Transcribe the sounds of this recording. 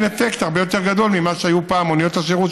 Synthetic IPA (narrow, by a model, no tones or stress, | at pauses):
nefe̞kt̪aʁbe̞jo̞t̪e̞ʁɡad̪o̞lmimaʃeajupaːmonijo̞t̪aseʁu